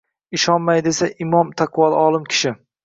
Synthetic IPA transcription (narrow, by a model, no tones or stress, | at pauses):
ɪʃɒnmajd̪e̞saʔɪmɒmt̪ʰaqʰwɒlˠɒlˠɪmkʲʰɪ̥ʃɪ